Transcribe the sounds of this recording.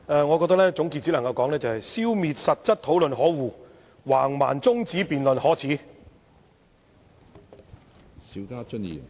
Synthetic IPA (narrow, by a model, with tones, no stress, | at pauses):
ɛː˨ŋɔ˨˧kɔ˧t̪ɐ˥lɛː˥t͡sʊ˨˥ŋki˧tt͡siː˨˥lɐ˨˩ŋkɐ˧wkɔː˨˥ŋlɛ˥t͡sɐ˨˩hɐ˨jsiː˥wmiː˨t̚sɐ˨t̚t͡sɐ˥t̚t̪ʰo˨˥wlɵ˨nɦɔː˨˥wuː˨˧ | wa̰ː˨˩ŋma̰ː˨˩nt͡sʊ˥ŋt͡siː˨˥piː˨nlɵ˨nhɔː˨˥t͡sʰiː˨˥ | siː˨˥wkaː˥t͡ʃɵ˥njḭː˨˩m